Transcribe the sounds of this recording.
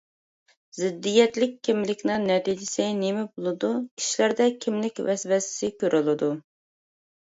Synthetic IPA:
zɪd̪ːijɛt̪lɪkʲʰːimlɪkʲnɨnɛt̪id͡ʒɪsɛjnemɪbolˠɨd̪ukʲʰi̥ʃilæɾd̪ɛkʲʰimlɪkʲvɛsvɛsɪ̥sɪkʲʰøɾʔylˠɨd̪u

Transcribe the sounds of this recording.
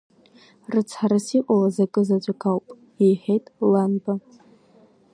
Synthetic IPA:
rɨt͡sʰħaɾasiqʷʼawazakʼɨzad͡ʒʷʼakʰawpʼ | ejħejtʼlanba

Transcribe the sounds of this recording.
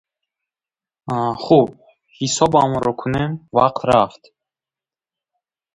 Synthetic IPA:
χub̚ | hisɔbamɔɾɔkʰunemva̰q̚t̪ɾaft̪

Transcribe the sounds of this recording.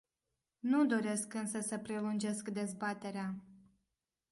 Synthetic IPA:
nud̪o̞ɾe̞skɨnsəsəpɾe̞lund͡ʒe̞skd̪e̞zbat̪e̞ɾea

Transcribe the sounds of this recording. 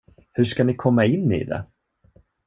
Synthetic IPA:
hɵʂkanɪkʰɔmːaɪnːḭd̪ɛ̰

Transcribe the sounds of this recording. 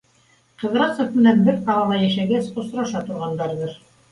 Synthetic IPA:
qɤ̆ðɾɑsŏfmɘ̆nænbɘɾqɑlˠɑlˠɑjæʃæɡæsŏsɾɑʃɑt̪ŏɾʁɑnd̪ɑɾðɤɾ

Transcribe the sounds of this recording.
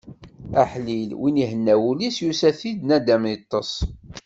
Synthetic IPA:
æħlilwiniɦənːæwulisjusæθid̪næd̪æmit̪ˤːəsˤ

